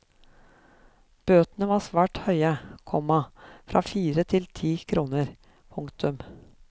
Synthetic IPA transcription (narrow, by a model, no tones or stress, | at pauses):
b̥øːt̪nəʋɑːsʋæːʈhœʏəkʰɔmɑfɾʔɑ̰ːfiːɾət̪ʰɪlt̪ʰiːkʰɾuːnəɾ | pʰɵŋkt̪ʉm